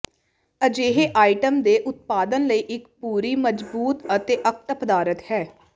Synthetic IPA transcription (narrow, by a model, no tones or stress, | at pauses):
əd͡ʒeːɦeːʔaːiʈəmd̪eːʔʊt̪̚paːd̪ənləiːʔɪkpuːɾiːməd͡ʒbuːt̪ət̪eːʔək̚t̪pəd̪aːɾət̪hɛː